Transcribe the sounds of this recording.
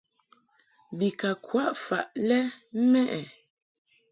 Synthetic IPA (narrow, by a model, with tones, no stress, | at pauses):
bi˨ka˨kwa˦ʔfa˨ʔlɛ˦mɛ˦ʔɛ˨